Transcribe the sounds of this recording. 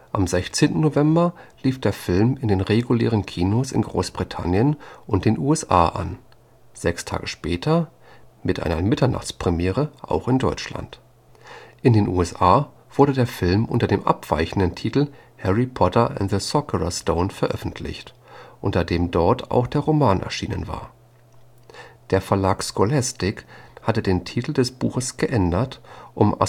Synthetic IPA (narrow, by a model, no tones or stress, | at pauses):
ʔamzɛçt͡seːntn̩novɛmbɐliːfd̥eːɐfɪlmɪndeːnʁeɡulḛːʁ̞ənkʰiːnosɪ̰nɡʁoːsb̥ʁitʰa̰njənʔʊnt̚d̥eːnʔuːɛsʔa̰ːʔa̰n | z̥ɛkstʰa̰ːɡəʃpɛːtʰɐ | mɪtʔa̰ɪnɐmɪtɐna̰χt͡spʁ̥imjɛːʁəʔa̰ʊxɪndɔʏt͡ʃla̰nt | ʔɪndeːnʔṵːɛsʔaː | v̥ʊɐdədeːɐfɪlmʔʊ̰ntɐdeːmʔa̰pv̥a̰ɪçn̩dən̩tʰiːtl̩hɛʁipʰɔtɐʔɛ̰nðəsɔkʰəʁa̰stoʊnfɛɐʔœfn̩tʰlɪ̰çt | ʔʊntɐdeːmdɔɐtʰa̰ʊxd̥eːɐʁomaːnʔɛ̰ɐʃiːnə̰nva̰ːɐ | d̥eːɐfɛɐlaːkskolastɪkhatədeːntʰiːtl̩dɛsb̥uːxəsɡ̥əʔɛndɐtʔʊmʔa̰